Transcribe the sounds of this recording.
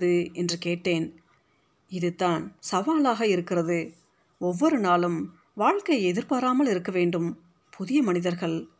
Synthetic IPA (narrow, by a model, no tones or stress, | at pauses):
ðɯɛndrɯkeːʈːeːn | ɪðɯt̪ːaːnsɐʋaːlaːɣɐɪɾɯkːɪrɐðɯ | ɔʋːɔɾɯnaːlɯm | ʋaːɻkɐɪɛðɪɾpaːɾaːmɐɭɪɾɯkːɐʋeːɳɖɯm | pʰʊðɪjɐmɐnɪðɐɾɣɐɭ